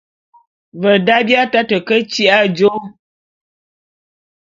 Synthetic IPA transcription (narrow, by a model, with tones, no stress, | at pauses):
və˨da˦bja˦ta˦tə˨kə˦t͡ʃi˦ʔa˦d͡ʒo˦